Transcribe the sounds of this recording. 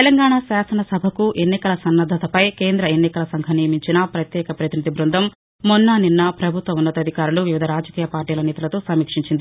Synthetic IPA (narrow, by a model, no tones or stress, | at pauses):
t̪elɐŋɡaːɳasaːsɐnɐsɐbʱɐkuʔe̞nːikɐlɐsɐnːɐd̪ʱːɐt̪ɐpɐjke̞ːnd̪ɾɐenːikɐlɐsɐŋɡʱɐnijɐmiɲt͡ʃinɐpɾɐt̪jɛːkɐpɾɐt̪inid̪ibɾund̪ʱɐmː | onːaːninːɐpɾɐbʱut̪ʋɐmunːɐt̪ɐd̪ʱikaːɾuluʋiʋid̪ʱɐɾaːd͡ʒɐkiːjɐpaːɾʈiːlɐnɛːt̪ɐlɐt̪oːsɐmːiːkʂiɲt͡ʃind̪i